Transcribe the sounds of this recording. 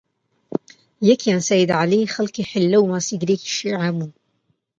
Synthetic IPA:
jɛkjaːnsajɪd̪ʕalixalkiħɪlːawmaːsiɡɾiːki̥ʃiːʕabuːn

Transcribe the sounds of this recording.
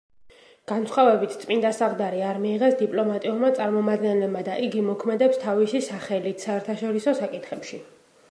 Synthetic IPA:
ɡ̥ansχɔvɛbit̪ʰt̪sʼpind̪asaʁd̪aɾiaɾmiːʁɛsd̪ipʼlˠɔmat̪ʼiuɾmat̪sʼaɾmɔmad̪̚ɡɛnlɛbmad̪aʔiɡimɔkʰmɛd̪ɛpst̪ʰavisisaχɛlit̪ʰsaɛɾt̪ʰaʃɔɾisɔsakʼit̪ʰχɛpʃi

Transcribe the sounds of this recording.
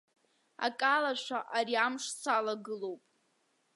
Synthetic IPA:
a̰kʼalaʃʷaʔaɾiamʂt͡sʰalaɡɨlo̞wpʼ

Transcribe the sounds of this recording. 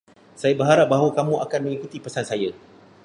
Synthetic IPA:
sajabəɦaɾap̚baɦawakamũʔakanmə̃ŋikut̪ipəsansaja

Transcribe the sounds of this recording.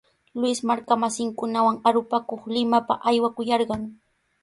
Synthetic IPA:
lʊwɪsmaɾkamasɪŋkʊnawaŋaɾʊpakoχlɪmapa̰ʔajwakʊjɑɾɢɑŋ

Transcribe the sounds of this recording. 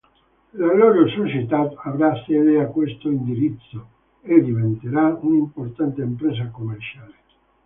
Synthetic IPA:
laɡlɔɾosot͡ʃet̪at̪avɾasːjɛːd̪eakːwest̪oind̪iɾit̪sːo | ed̪ivent̪eɾaunimport̪ant̪eːmpɾeːs̬akomːert͡ʃaːle

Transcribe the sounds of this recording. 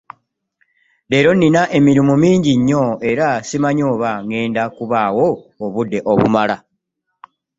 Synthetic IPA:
le̞ːɾo̞ninaʔe̞miɾimumiːɲɟiɲːo̞e̞ɾasimaɲo̞ːβaŋe̞ːndakuβaːwo̞ːβudːe̞ʔo̞̰βṵmala

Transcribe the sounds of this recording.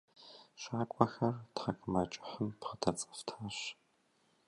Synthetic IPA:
ʃaːkʷʼɔxɐrtχɐkʰʼɨmɐt͡ʃʼɪ̥ħəmpχətʰɐt͡sʼɨ̥ftʰaːɕ

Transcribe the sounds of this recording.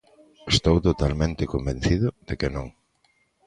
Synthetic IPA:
est̪owt̪ot̪almẽnt̪ɪkombẽnθiðʊðekɪnõŋ

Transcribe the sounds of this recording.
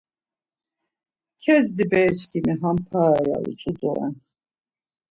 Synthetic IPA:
kʰɛzd̪ibɛt͡ʃʰkʰimiɦampʰaja̰ṵt͡sʼud̪ɔɛ̰n

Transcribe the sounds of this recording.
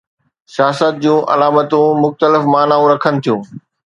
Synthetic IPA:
sjaːsət̪̚d͡ʑũːʔɐ̰laːmət̪ũmʊxt̪əlɪfmaːnaːũɾɐkʰənɪ̆t̪ʰijũː

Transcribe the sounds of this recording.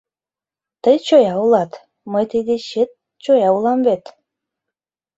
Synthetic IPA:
t̪əjt͡ɕojɑulɑt̪ | məjt̪əjd̪eɕet̪̚ | t͡ɕojɑulˠɑmβet̪

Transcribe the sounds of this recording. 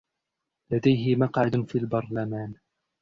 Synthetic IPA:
lad̪ajɦɪmɑqʕad̪fiːlbɑɾˤlamaːn

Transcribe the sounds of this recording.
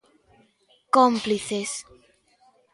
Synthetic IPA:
kompliθes

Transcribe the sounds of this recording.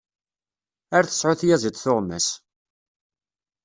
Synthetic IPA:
æɾθə̥sʕʊθjæzit͡s̪ːθʊʁmæ̰s

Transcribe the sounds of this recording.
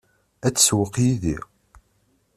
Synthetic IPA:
æt͡sːswəqjiðḭ

